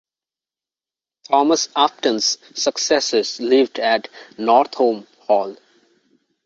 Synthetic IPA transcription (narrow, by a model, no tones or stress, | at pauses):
ʈʰɔːməsæp̚ʈə̃nz̥ː | əksɛsɪzlɪʋɖæʈnɔːɾt̪ʰhõːm | hɔːl